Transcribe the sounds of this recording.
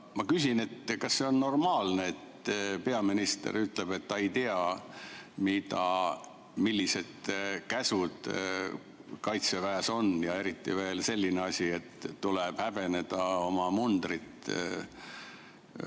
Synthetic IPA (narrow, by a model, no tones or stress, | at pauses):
mɑkys̬ʲine̞t̪kɑsːe̞o̞nːo̞rmɑːlneet̪pe̞ɑminist̪ḛɾyt̪ˑle̞b̥e̞t̪ːɑejt̪eɑ | mid̪̥ɑ | milʲːise̞d̪̥kæsud̪̥ | kɑjt̪se̞væːso̞njɑe̞ɾit̪ːḭve̞ːlse̞lʲːineɑsʲie̞t̪ːuleb̥hæb̥e̞ne̞d̪̥ɑo̞mɑmund̪̥rit̪